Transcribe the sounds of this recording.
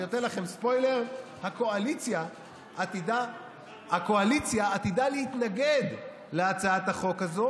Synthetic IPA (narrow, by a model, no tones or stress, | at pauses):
jotelaχe̞mspo̞jle̞ʁ | hako̞alit͡sja | ʔatida | hako̞alit͡sjaːt̪id̪aleit̪naɡe̞d̪ | leat͡saat̪aχo̞khazo